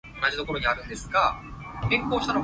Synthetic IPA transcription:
onad͡ʑit̪o̞ko̞ɾo̞ɲiaɾɯ̟nd̪e̞sɨ̥ɡa | ẽŋkoːɕano

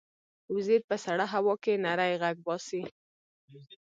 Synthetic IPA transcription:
wzeɾ̚pəsaɽaɦawɑkenaɾajɣaɡ̚bɑsi

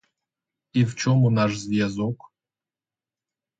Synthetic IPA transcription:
ift͡ʃʰomunaʂzjazok

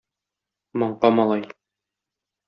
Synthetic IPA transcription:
mɒɴqɑmɒlˠɑj

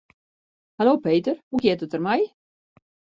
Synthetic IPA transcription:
haloːpejtərhukjɪtətərmɛj

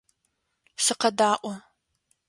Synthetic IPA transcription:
sɨqɐdaːʔʷɔ

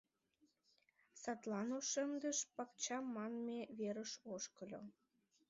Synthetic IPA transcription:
sɑt̪lɑnoʃəmd̪əʃpɑk̚t͡ɕɑmːɑnmeβeɾəʃoʃkəlʲo̰

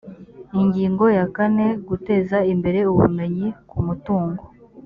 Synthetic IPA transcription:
iɲɟiːŋɡo̞jakane̞ɡute̞zaimbe̞ɾe̞uβṵme̞ɲikumutuːŋɡo

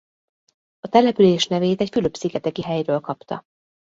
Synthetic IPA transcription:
ɒt̪ɛlɛpyleːʃnɛveːt̪ɛcfyløpsiɡɛt̪ɛkiɦɛjrøːlkɒpt̪ɒ̰

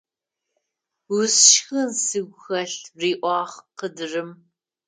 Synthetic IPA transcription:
wʊsʃxɨnsɨɡʷxɐɬriːʔʷɑːʁqədɨrɨm

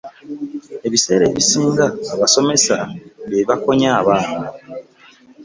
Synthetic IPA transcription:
e̞βise̞ːɾe̞̰ːβisiːŋɡaːβaso̞me̞saβeβako̞ɲaːβaːna

